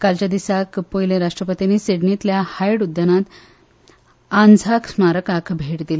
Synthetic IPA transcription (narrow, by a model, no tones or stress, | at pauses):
kalt͡ɕad̪isakpojleɾaʂʈɾəpət̪iniːseɽnit̪ljahajɽud̪ːənãt̪ | and͡zʱaksmaɾəkakʰbʱeʈd̪ile